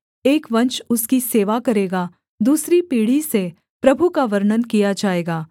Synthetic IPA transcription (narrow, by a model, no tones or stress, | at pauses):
eːkʋɐ̃nt͡ʃʊskiseːʋakɐɾeːɡa | d̪uːsɾipiːɽ̤ise | pɾɐbʱukaʋɐɾɳənkijad͡ʒaːeːɡaː